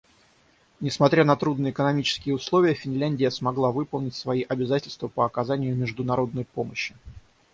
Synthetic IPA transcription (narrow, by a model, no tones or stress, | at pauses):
nʲɪsmɐt̪ɾʲanɐt̪ɾud̪nəɪkənɐmʲit͡ɕɪ̥skʲɪjəʊslˠo̞vʲɪjəfʲɪnʲlʲænʲdʲɪjəsmɐɡlˠavɨpəlˠnʲɪtʲsvɐiʔɐbʲɪzatʲɪlʲst̪vəpəɐkɐzanʲɪjʊmʲɪʐd̪ʊnɐɾo̞d̪nəjpoməɕːɪ